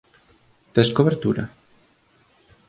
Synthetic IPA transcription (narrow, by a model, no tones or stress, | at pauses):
t̪eskoβeɾt̪uɾa̰